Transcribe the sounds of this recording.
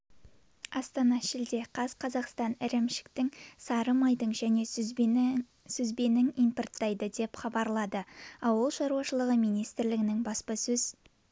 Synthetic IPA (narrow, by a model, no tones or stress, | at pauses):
ɑst̪ɑnɑʃɪld̪e̞qʰɑz̥qʰɑzɑqst̪ɑnɪɾɪmʃɪ̥kt̪ɪŋsɑɾəmɑjd̪əɴʒæne̞ | sɵzbe̞nɪŋimport̪ːɑjd̪əd̪e̞pχɑbɑɾlˠɑd̪əɑwʊlˠʃɑɾuwɑʃəlˠəʁəmijnijst̪ɪɾlɪɡɪnɪŋbɑspɑsɵz̥